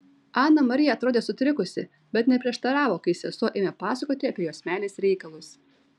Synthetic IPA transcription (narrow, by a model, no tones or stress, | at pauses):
ɑːnːɐmɐɾʲɪjɛɐt̪ɾoːd̪ʲeːsʊt̪ʲɾʲɪkʊsʲɪ | bʲɛt̪nʲɛpʲɾʲiɛʃt̪ɐɾɑːʋoːkɐɪsʲɛsuɔʔeːmʲɛpɑːsɐkoːt̪ʲɪɐpʲiɛjoːsʲmʲæːlʲeːsɾʲɛɪkɐlˠʊs